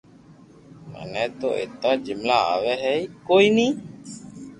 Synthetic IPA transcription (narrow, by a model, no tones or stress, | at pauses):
ma̰nɛt̪o̰ḛt̪ad͡ʒimlaa̰wɛɦɛikoini